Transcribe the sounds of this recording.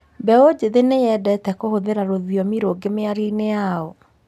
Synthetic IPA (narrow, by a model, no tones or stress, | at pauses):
bɛod͡ʑeðenejɛdɛtɛkohoðeɾaɾoðiɔmiɾoɡemeaɾineaɔ